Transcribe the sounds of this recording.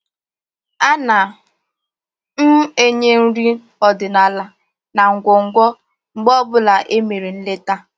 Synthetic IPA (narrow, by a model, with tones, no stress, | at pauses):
a˦na˨ | m̩˦e˦ɲe˦n̩˦ɾi˦ | ɔ˨dɪ˨na˨la˨ | na˨ŋ̩˨ɡʷɔ˨ŋ̩˨ɡʷɔ˦ | ŋ͡m̩˨ɡ͡bɔ˦bʊ˦la˨ʔe˦me˨ɾi˨n̩˦le˦ta˦